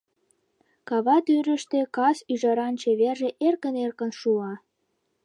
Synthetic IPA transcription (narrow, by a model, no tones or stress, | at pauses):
kɑβɑt̪yɾəʃt̪ekɑsyʒɑɾɑnt͡ɕeβerʒeʔerkənerkə̆nʃuɑ